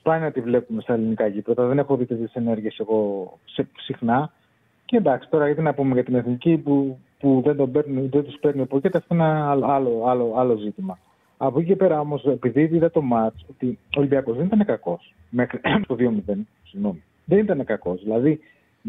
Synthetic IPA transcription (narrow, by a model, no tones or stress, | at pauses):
spɐniot̪ivle̞pume̞st̪ɐelinikɐʝipɾot̪ɐðe̞ne̞xoðit̪eðit̪ise̞ne̞ɾʝiese̞ɣo̞sesixnɐ | ceend̪ɐksi̥t̪o̞ɾɐjɐt̪inɐpumeʝɐt̪ine̞θnicipu | puðend̪o̞be̞ɾniðend̪uspe̞ɾniopo̞ce̞t̪eɐft̪oenɐloɐlo̞ɐlo̞ɐlo̞zit̪imɐ | ɐpo̞cice̞pe̞ɾɐo̞mo̞se̞piðiiðɐt̪o̞mɐt͡so̞t̪iolibiɐko̞zðenit̪ɐne̞kɐko̞s | me̞xɾit̪oðio̞miðe̞n | siɣno̞mi | ðe̞nit̪ɐne̞kɐko̞zðilɐði